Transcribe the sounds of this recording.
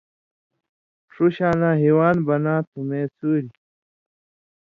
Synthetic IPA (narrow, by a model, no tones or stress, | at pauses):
ʈ͡ʂʰuɕaːnãːɦiwaːnbɐnãːt̪ʰumeːsuːɾi